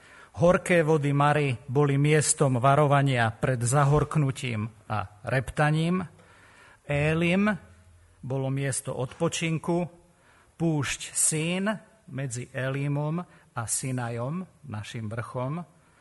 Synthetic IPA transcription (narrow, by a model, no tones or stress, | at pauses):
ɦɔɾkɛːʋɔd̪imaɾibɔlimɪɛst̪ɔmʋaɾɔʋaɲɪapɾɛd̪zaɦɔɾknucḭːma̰ɾɛpt̪aɲiːm | ɛːlim | bɔlɔmɪɛst̪ɔ̰ʔɔt̪pɔt͡ʃiŋku | puːʃcsiːn | mɛd͡ziʔɛlimɔmasinajɔmnaʃimʋr̩xɔm